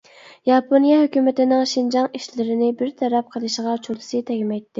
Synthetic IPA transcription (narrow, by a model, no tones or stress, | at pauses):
jɑpʰonjɑɦøkʲymɪt̪ɪnɪŋʃind͡ʒɑŋiʃlɪɾɪnɪbɪɾt̪ʰɛɾɛp̚qʰəlˠɨʃɪʁɑt͡ʃʰolˠɨsɨt̪ʰɛɡʲimɛjt̪ʰːɪ